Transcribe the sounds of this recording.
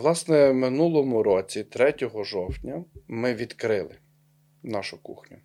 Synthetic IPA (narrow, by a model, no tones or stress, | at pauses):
lˠɑsnɛmɪnulˠɔmʊɾɔt͡sʲit̪ɾɛtʲɔɦɔʒɔwtʲnʲɐmɪʋʲid̪kɾɪlˠɪ | nɑʃʊkṵxnʲʊ